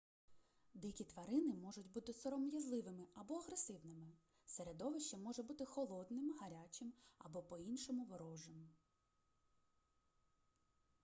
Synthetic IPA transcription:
d̪ɪkʲit̪ʋɐɾɪnɪmɔʒʊtʲbut̪ɪsɔɾɔmjʲɐzlˠɪʋɪmɪɐbɔɐɦɾesɪʋnɪmɪ | seɾed̪ɔʋɪʃt͡ʃɐmɔʒɛbut̪ɪxɔlˠɔd̪nɪmɦɐɾʲat͡ʃɪmɐ̰bɔpɔinʃɔmʊʋɔɾɔʒɪm

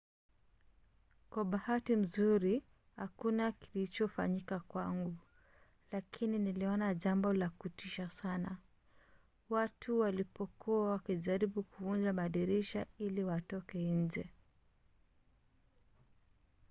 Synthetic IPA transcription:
kwaɓahatim̩zuɾi | hakunakilit͡ʃɔfa̰ɲikakwaŋɡu | lakʰininiliɔnaʄambɔlakutiʃasana | watuwalipɔkuawakiʄaɾiɓukuvund͡ʒamaɗiɾiʃailiwatɔkɛiɲ̩d͡ʒɛ

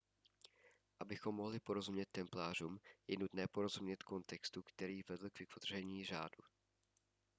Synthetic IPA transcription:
ʔabɪxo̞mːo̞ɦlɪpo̞ɾo̞zumɲɛt̪ːɛmplaːr̝umjɛnut̪nɛːpo̞ɾo̞zumɲɛt̪ko̞nt̪ɛkst̪ukt̪ɛɾiːvɛdl̩kvɪk̪vod̪r̝ɛɲiːr̝a̰ːdu

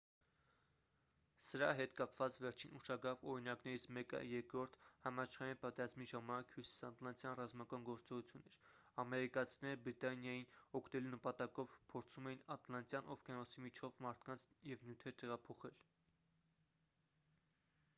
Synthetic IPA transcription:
səɾɑɦɛt̪kɑpvɑt͡svɛɾt͡ʃʰinuʃɑɡɾɑvɔɾinɑknɛɾit͡sʰmɛkə̰jɛɾkɾɔɾt̪ʰhɑmɑt͡ʃʰχɑjinpɑt̪ɛɾɑzmiʒɑmɑnɑkʰhusi̥sɑnt̪lɑnt̪jɑnrɑzmɑkɑnɡɔɾt͡sɔʁut͡sʰjunːɛɾɑmɛɾikɑt͡sʰinɛɾəbɾit̪ɑnjɑjinɔkʰnɛlunəpɑt̪ɑkɔvpʰɔɾt͡sʰumɛjinɑt̪lɑnt̪jɑnʔɔfkɑnɔsimit͡ʃʰɔvmɑɾt̪ʰkɑnt͡sʰjɛvnjut̪ʰɛɾt̪ɛʁɑpʰɔχɛl

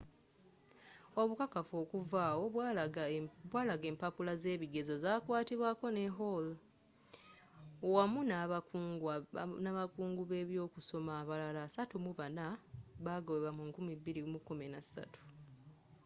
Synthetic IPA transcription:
o̞βukakafoːkuvaːwo̞w | βwaːlaɡe̞ːmpapulaze̞ːβiɡe̞zo̞zaːkwaːtiβwaːko̞ne̞ɦol | wamuna | naβakuːŋɡuβe̞ːβjo̞ːkuso̞maːβalalaːsatumuβanaβaɡoweβamuŋkumibiɾimukuminasa̰tu̥

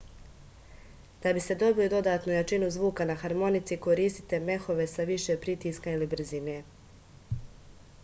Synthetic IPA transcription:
d̪̥abise̞d̪o̞bilid̪o̞d̪aːt̪nujat͡ʃinuzʋuːkanaxaɾmo̞nit̪siko̞ɾiːst̪i̥t̪e̞me̞xo̞ʋe̞saʋiʃe̞pɾit̪iːskailibɾ̩zine̞

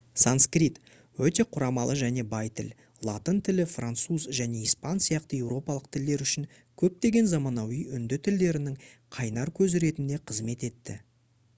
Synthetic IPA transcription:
sanskrit̪ | wɵt̪e̞qʰʊɾɑmɑlˠəʒæne̞bɑjt̪ʰɪ̰l | lˠɑt̪ənt̪ʰɪlɪfrant̪suzʒæne̞ijspɑnsijɑqt̪əje̞wɾo̞pɑlˠəq̚t̪ʰɪld̪e̞ɾʏʃɪŋ | kʲʰɵp̚t̪e̞ɡʲe̞nzɑmɑnɑwijʏnd̪ɪt̪ʰɪld̪e̞ɾɪnɪŋ | qʰɑjnɑɾkʲʰɵzɪɾe̞t̪ɪnd̪e̞qʰəzme̞t̪e̞t̪ːɪ

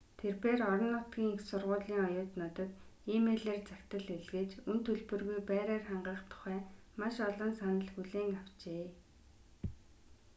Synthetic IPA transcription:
t̪ʰerpeːrɔɾɞ̆nːʊt̪ɡʲiːŋexsʊrʁʊːɮiːŋɔjʊːt̪nɔt̪ɞ̆t̪imeːɮeːrt͡sakt̪ə̆ɮeɮɣĕːt͡ɕunt̪ʰɵɮpɵ̆rɣujpæːɾeːrχaɴɢə̆χt̪ʰʊ̥χæːmaʃɔɮɞ̆nsanə̆ɮxuɮeːŋaw̥t͡ɕeː

